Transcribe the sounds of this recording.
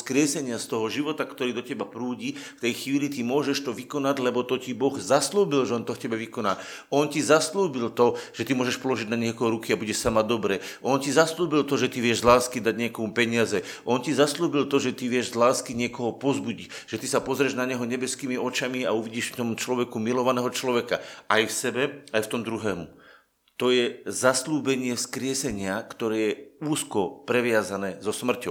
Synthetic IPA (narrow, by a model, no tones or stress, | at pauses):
skɾɪɛsɛɲɪast̪ɔɦɔʒiʋɔt̪akt̪ɔɾiːd̪ɔcɛbapɾuːɟift̪ɛjxʋiːlit̪̬imʊɔʒɛʃt̪ɔʋikɔnaɟlɛbɔt̪ɔcibɔɣzasluːbilʒɛɔnt̪ɔfcɛbɛʋikɔnaː | ɔncizasluːbilt̪ɔʒ̥ɛt̪imʊɔːʒɛʃpɔlɔʒiɟnaɲɛkɛɔɾukiabuɟɛʃsamad̪ɔbɾɛːʔɔncizasluːbilt̪ɔʒɛt̪iʋɪɛʒzlaːskid̪aɟɲɪɛkɔmupɛɲɪazɛʔɔncizasluːbilt̪ɔʒɛt̪iʋɪɛʒzlaːskiɲɪɛkɔɦɔpɔzbuɟic | ʒ̥ɛt̪isapɔzɾɛʒnaɲɛɦɔɲɛbɛskiːmiɔt͡ʃamiauʋiɟiːʃft̪ɔmt͡ʃlɔʋɛkumilɔʋanɛːɦɔt͡ʃlɔʋɛka̰ʔajfsɛbɛajft̪ɔmd̪ɾuɦɛːmu | t̪ɔjɛzasluːbɛɲɪɛfskɾɪɛsɛɲɪakt̪ɔɾɛːjɛuːskɔpɾɛʋɪazanɛːzɔsmr̩cɔʊ